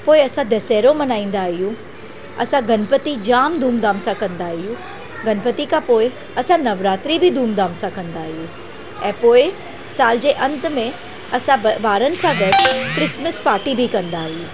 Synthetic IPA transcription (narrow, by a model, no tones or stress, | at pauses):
poːɪɐsãd̪ɐsɛːɾõmɐnaːĩːnd̪aːɦijũ | ɐ̰sãɡɐnpət̪id͡ʑaːmd̪ʱuːmd̪aːmsãkɐ̃nd̪aːɦijũː | ɡɐnpət̪ikapoːɪ | ɐsãnɐʋɾaːt̪ɾibʱid̪ʱuːmd̪aːmsãkɐ̃nd̪aːɦieː | ɛ̃ːpoːɪ | saːld͡ʑeːʔɐ̃nt̪mẽ | ɐsãʋaːɾənɪ̆sãɡɐʈkɾɪsməspaːɾʈibʱikɐ̃nd̪aːɦijũː